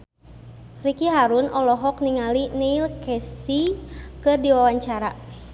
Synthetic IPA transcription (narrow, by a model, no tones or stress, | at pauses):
rikiɦaɾunʔɔlɔɦɔk̚niŋalineilkɛsikɨrdiwawaɲt͡ʃaɾa